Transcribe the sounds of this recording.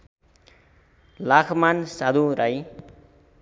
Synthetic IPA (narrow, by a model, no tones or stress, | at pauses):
lakʰmansad̪uɾaj